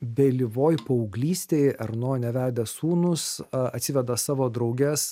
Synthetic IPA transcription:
bʲɛlʲɪʋoːjpɐʊɡlʲiːsʲt̪ʲeɪɐɾnoːjnʲɛʋʲæːd̪ʲɛsuːnʊsɐt̪ʲsʲɪʋʲɛd̪ɐsɑːʋoːd̪ɾɒʊɡʲɛs

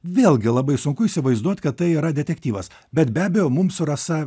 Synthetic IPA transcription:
ʋʲeːlˠʲɡʲɪlˠɐbɐɪsʊŋkʊɪsʲɪʋɐɪzd̪uɔt̪ʲkɐt̪t̪ɐɪiːɾɐd̪ʲɛt̪ʲɛkt̪ʲiːʋɐs | bʲɛt̪bʲæːbʲɛjoːmʊmsʊɾɐsɐ

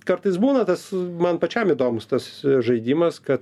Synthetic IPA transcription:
kɐrt̪ɐɪsbuːnɐt̪ɐsmɐnpɐt͡ʃʲɛmɪd̪oːmʊst̪ɐsʒɐɪdʲimɐskɐt̪

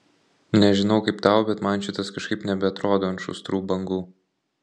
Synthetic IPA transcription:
nʲɛʒʲɪnɒʊkɐɪpt̪ɐʊbʲɛt̪mɐnʃʲɪt̪ɐskɐʃkɐɪpnʲɛbʲɛɐt̪ɾoːd̪oːɐnʃʊ̰st̪ɾuːbɐŋɡuː

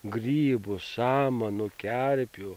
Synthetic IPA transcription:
ɡɾʲiːbʊsaːmɐnʊkʲæɾʲpʲʊ

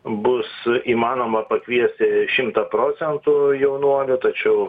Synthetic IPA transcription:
bʊsiːmɑːnoːmɐpɐkʋʲiɛsʲt̪ʲɪʃʲɪmt̪ɐpɾoːt͡s̪ʲɛnt̪ʊjɛʊnuɔlʲʊt̪ɐt͡ʃʲɛʊ

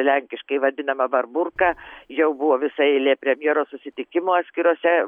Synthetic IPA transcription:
lʲɛŋʲkʲɪʃkɐɪʋɐd̪ʲɪnɐmɐbɐrbʊrkɑːjɛʊbʊʋoːʋʲɪsɐɛlʲeːpʲɾʲɛmʲjeːɾoːssʊsʲɪt̪ʲɪkʲɪmoːat̪sʲkʲɪɾoːsʲɛ

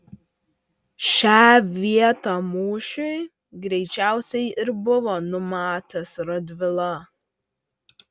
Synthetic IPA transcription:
ʃʲaːʋʲiɛt̪ɑmuːʃɛɪ | ɡɾʲɛɪt͡ʃʲæˑʊsʲɛɪɪɾbʊʋɐnʊmɑːt̪ɐsɾɐd̪ʲʋʲɪlˠɐ

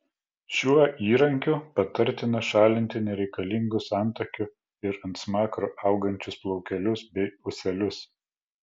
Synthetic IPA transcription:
ʃʲuɔʔiːɾɐŋʲkʲʊpɐt̪ɐɾʲt̪ʲɪnɐʃɑːlʲɪnʲt̪ʲɪnʲɛɾʲɛɪkɐlʲɪŋɡʊsɑˑnˑt̪ɐkʲʊ | ɪɾɐnt̪smɑːkɾoʔɐˑʊɡɐnʲt͡ʃʲʊsplˠɔʊkʲɛlʲʊsbʲɛɪʊsʲɛlʲʊs

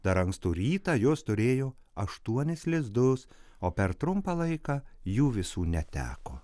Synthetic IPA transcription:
d̪ɐɾɐŋkst̪uːɾʲiːt̪ɑːjoːst̪ʊɾʲeːjoːɐʃt̪uɔnʲɪslʲɪzd̪ʊs | oːpʲɛɾt̪ɾʊmpɑːlˠɐɪkɑːjuːʋʲɪsuːnʲɛt̪ʲæ̰ːkoː

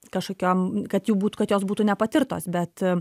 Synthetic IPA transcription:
kɐʃkoːkʲoːmkɐt̪juːbuːt̪ukɐt̪joːsbuːt̪unʲɛpɐt̪ʲɪɾt̪o̰ːsbʲɛt̪

